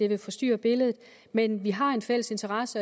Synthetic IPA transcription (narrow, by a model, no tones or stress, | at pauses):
e̝ʋe̝fɒ̽sd̥y̰ːɐb̥e̝ləð̞̩ˠ | menʋiɦɑ̈e̝nfel̰əse̝nt͡sʰɐʁɑ̈sə